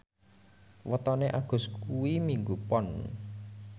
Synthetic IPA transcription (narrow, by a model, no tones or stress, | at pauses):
wət̪ɔneʔaɡ̥ʊ̤skuwimiŋɡupɔn